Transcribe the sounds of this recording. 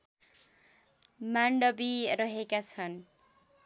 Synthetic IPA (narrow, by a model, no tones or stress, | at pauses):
maɳɖʌbirʌɦekat͡sʰʌn